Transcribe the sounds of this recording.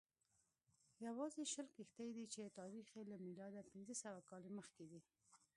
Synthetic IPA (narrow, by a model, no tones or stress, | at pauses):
jawɑzeʃəlkixt̪ajd̪it͡ʃet̪ɑɾixelamilɑd̪apɪnzəsawakɑleməxked̪i